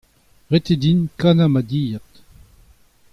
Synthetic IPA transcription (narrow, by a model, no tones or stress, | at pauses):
ʁet̪ed̪inkanamad̪ijat̪